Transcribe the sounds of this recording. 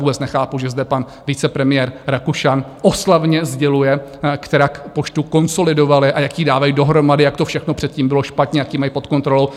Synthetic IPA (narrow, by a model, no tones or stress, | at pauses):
vuːbɛt͡snɛxaːpuʒɛzdɛpan | vɪt͡sɛpɾɛmɪjɛɾɾakuʃanʔoslavɲɛzɟɛlujɛkt̪ɛɾaːkpo̞t͡ʃt̪uko̞nso̞lɪdo̞valɪʔajakjiːdaːvajdo̞ɦɾo̞madɪjakt̪ofʃɛxnopr̥ɛt̪̚ciːmbɪlo̞ʃpat̪ɲɛjakjiːmajpot̪ko̞nt̪ɾo̞low